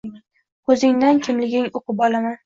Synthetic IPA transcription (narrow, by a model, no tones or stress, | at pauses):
kʰɵzɪŋd̪ankʲʰɪmlɪɡʲɪŋoqɨpɒlˠaman